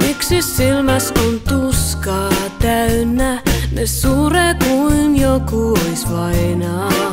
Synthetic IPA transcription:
miksissilmɑskunt̪uskɑːt̪æynːænessuːreːkuinjokuoisʋɑinɑː

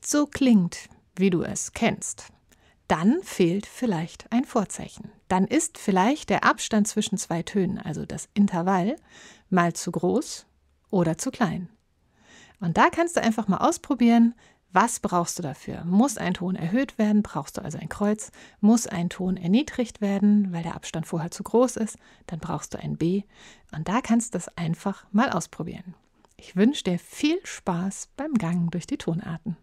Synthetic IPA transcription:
z̥oːkʰl̥ɪŋt | viːduːɛ̰skʰɛnst | d̥anfeːltfɪlaɪçtʔaɪnfoːɐt͡sa̰ɪçn̩d̥anʔɪstfɪlaɪçt̚d̥eːɐʔapʃtant̚t͡sv̥ɪʃn̩t͡sv̥aɪtʰøːnənʔa̰lzo̰d̥a̰sʔɪntʰɐval | maːlt͡suɡʁoːs | ʔoːɾɐt͡sukʰl̥aɪn | ʔʊnt̚d̥aːkʰanstd̥uːʔa̰ɪnfaχmaːlʔaʊspʁ̥obiːʁən | vasb̥ʁaʊxstd̥uːdafy̰ːɐmʊsa̰ɪntʰoːnɛ̰ɐɦøːtv̥eːɐdn̩bʁa̰ʊxstd̥ṵːa̰lzoʔa̰ɪnkʁ̥ɔʏt͡smʊsʔa̰ɪntʰoːnɛɐniːdʁɪçtv̥eːɐdn̩vaɪldeːɐʔa̰pʃtantfoːɐheːɐt͡suːɡʁoːsɪst | d̥anbʁa̰ʊxstd̥ṵːʔa̰ɪnbeː | ʔʊnt̚d̥aːkʰanstuːd̥asʔaɪnfaχmaːlʔa̰ʊspʁ̥obḭːʁən | ʔɪçv̥ʏnʃəd̥iːɐfiːlʃpaːsb̥aɪmɡaŋdʊɐçd̥iːtʰoːnʔa̰ːɐtn̩

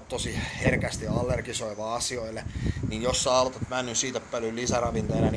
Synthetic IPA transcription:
t̪t̪ːosiherkæst̪iɑlːerɡisoiʋɑːɑsioilːeninjosːɑɑlt̪ɑt̪mænːynsiːt̪eppølyllisærɑʋint̪ejnɑn

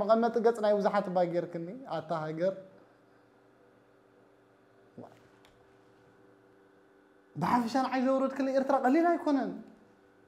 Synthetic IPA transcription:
mɨkʼɐnmɐt̪ʼɨɡɐt͡sʼnajbɨzaħat̪baɡeɾkʰɨnːiat̪ʰːaɦaɡɐɾ | bɨħafɐʃanʕajzɐwɾɐd̪kʰɨlɐeɾt̪ɾakʼɐlːilajkʰo̞nɐn

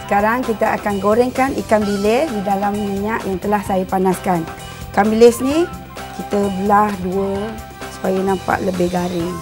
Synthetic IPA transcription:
sə̥kaɾaŋkit̪aʔakanɡoɾɛŋkanḭkanbilɪsdidalamːiɲaʔjaŋt̪əlahsajapanaskan | ikambilɪsni | kit̪əbəlahduə | su̥pajanampa̰ʔləbɪhɡaɾɪŋ

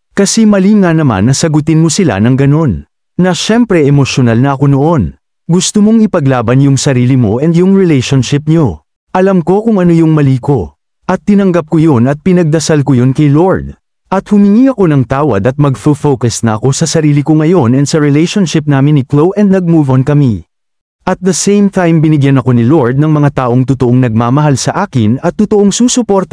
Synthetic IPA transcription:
kɐsɛmɐliŋanɐma̰nːɐsɐɡʊt̪ɪnmosɪla̰nɐŋɡɐno̞nː | ɐʃɛmpɾɛʔɛmo̞ʃjonɐlnɐʔɐko̞noʔo̞n | ɡʊst̪omoŋɪpɐɡlaːbɐnjʊŋsɐɾiːlɪmo̞̰ʔɛnd̪jʊŋɹɪlɛjʃonʃɪp̚ɲo̞ | ʔɐlɐmko̞kʊŋɐno̞jʊŋmɐliːko̞ | ʔɐt̪ːɪnɐŋɡɐp̚kojo̞nɐt̪̚pɪnɐɡ̚d̪ɐsalkojonkɐjlo̞ɹd̪̚ | ʔɐt̪̚hʊmɪŋiɐko̞nɐŋt̪aːwɐ̰d̪ɐt̪̚mɐɡfʊfowkɐsnɐʔɐko̞sɐsɐɾiːlɪkoŋɐjo̞nɛnd̪sɐɹɛlejʃonʃɪp̚naːmɪnːɪklowʔɛnd̪̚nɐɡ̚muːvonkɐmi | ʔɐt̪̚d̪ɐsẽjmt̪ajmbɪnɪɡjanɐko̞nɪlo̞ɹd̪̚nɐŋmɐŋat̪aːʔo̞ŋt̪ʊt̪oʔoŋnɐɡ̚maːmɐɦalsɐʔaːkɪnɐt̪ːʊt̪oʔoŋsuːsʊpo̞ɾt̪

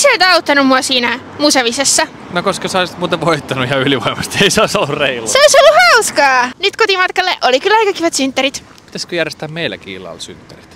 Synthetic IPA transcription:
seoit̪ɑut̪ːɑnummuɑsiːnæ | museʋisesːɑ | nokoskøsoist̪muːt̪eʋoit̪ːɑnujɑyliʋoimɑst̪ieiseoisolːureilːseoisolːuhɑuskɑːnyt̪kot̪imɑt̪kɑlːeʔolikylːɑjkɑkiʋɑt̪synt̪ːæɾit̪ | pi̥t̪æskøjærjest̪æːmmeilːæ̰kḭːlɑ̰lsy̰nt̪ːerit̪

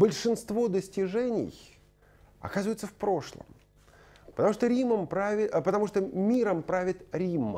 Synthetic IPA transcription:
bəlʲʂɨnst̪vo̞d̪əsʲtʲɪʐɛnʲɪ̰j | ɐ̰kazɨvəjɪt̪səfpɾo̞ʂlˠə̰m | pət̪ɐmuʂt̪oɾʲiməmpɾavʲɪpət̪ɐmuʂt̪omʲiɾəmpɾavʲɪt̪ɾʲimːə̰

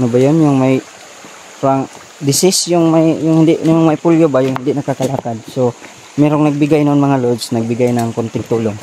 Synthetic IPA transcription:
nobajonjʊŋmaj | ɾaŋ | d̪ɪsɪsjʊŋmajjʊŋhɪnd̪ɪʔnʊmmajpuljobajʊŋhɪnd̪ɪʔnɐkakalaːkad̪̚so | mɛɾoŋnɐɡ̚bɪɡajnoʔonmɐŋalod̪snɐɡ̚bɪɡajnaŋkont̪ɪŋt̪uːloŋ

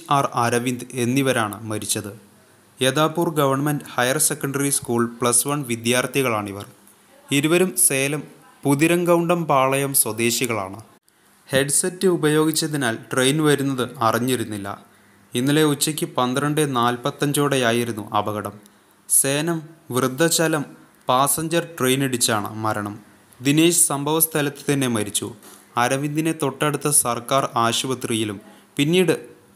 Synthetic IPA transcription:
aːrɐɾɐʋind̪ɨe̞nːiʋɐɾaːɳɨmɐɾit͡ɕːɐðɨ | e̞ðaːpːuːrɡɐʋɐrɳmenɖhɐjɐrse̞kːɐɳɖɐriskuːɭpɭɐsʋɐɳʋid̪jaːrt̪ʰiɣɐɭaːɳiʋɐr | iɾuʋɐɾumse̞ːlɐm | puðiɾɐŋɡɐwɳɖɐmpaːɭɐjɐmswɐd̪e̞ːɕiɣɐɭa̰ːɳɨ | he̞ɖsɐtːɨubɐjo̞ːɡit͡ɕːɐðinaːlʈrejnʋɐɾunːɐðɨɐriɲːiɾunːilːɐ̰ | inːɐle̞ut͡ɕːɐkʲːɨpɐnd̪rɐɳɖɨnaːlpɐt̪ːɐɲd͡ʑo̞ːɽejaːjiɾunːṵʔɐbɐɣɐɽɐm | se̞ːnɐmʋrɨd̪ʱːɐt͡ɕɐlɐm | paːsɐɲd͡ʑɐrʈrejneɽit͡ɕːaːɳɨ̰mɐɾɐɳɐm | d̪ine̞ːɕɨ̥sɐmbʱɐʋɐst̪ʰɐlɐt̪ːɨ̥t̪ɐnːe̞mɐɾit͡ɕːṵ | ɐɾɐʋind̪ine̞t̪o̞ʈːeɽut̪ːɐsɐrkaːraːɕubɐt̪rijilum | pinːiːɽɨ

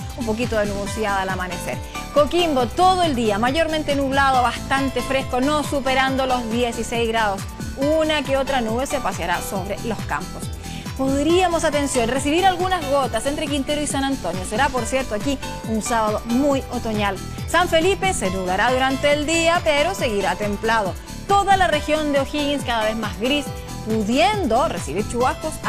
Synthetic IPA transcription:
umpo̞k̬it̪o̞ðenuβosjaðalamane̞se̞̰ɾ | ko̞kimbo̞t̪o̞ðoe̞ld̪iamaʝo̞ɾmẽnt̪enuβlað̞oβast̪ant̪e̞fɾe̞sko̞no̞supe̞ɾand̪o̞lo̞zðje̞sisejzɣɾaðo̞s | unakeo̞t̪ɾanuβe̞se̞pasjaɾa̰so̞β̞ɾelo̞ska̰mpos | puɾiamo̞sat̪e̞nsjo̞nresiβiɾalɣunazɣot̪asent̪ɾe̞k̬int̪eɾoisanant̪o̞njo̞se̞ɾapo̞ɾsje̞ɾt̪oaki | unsaβaðomujot̪o̞ɲal | saɱfe̞lipe̞senuðaɾaðuɾant̪e̞ːld̪iapeɾo̞se̞ɣiɾat̪e̞mplað̞o | t̪o̞ðalare̞xjo̞nd̪eoxiɣinskaðaβe̞zmazɣɾis | puðje̞nd̪o̞resiβiɾt͡ʃuβaskos

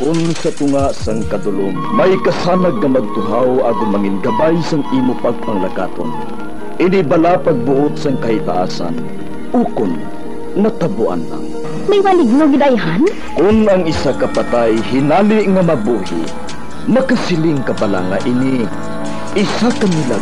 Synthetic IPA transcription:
kʊnsat̪ʊŋaʔsaŋkad̪ʊlʊmːajkasaːnaɡ̚ŋɐmaɡ̚t̪ʊɦawʔaːɡʊnmaŋinɡabajsaŋimʊpaɡ̚paŋlaka̰t̪o̰n | ʔɪnibalapaɡ̚bʊʔʊt̪̚saŋkahit̪a̰ʔa̰sa̰n | ʊkʊn | nat̪abʊʔa̰nla̰ŋ | majwalɪɡ̚noɡɪd̪ajɦan | kʊnaŋɪsakapat̪ajhɪnaliʔŋamabuɦḭ | nɐkasɪlɪŋkabala̰ŋaʔini | ɪsakamila

